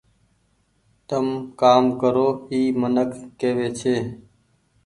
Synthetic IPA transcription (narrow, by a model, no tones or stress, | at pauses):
t̪əmkaːmkəɾoːiːmənəkʰːeːʋeːt͡ʃʰeː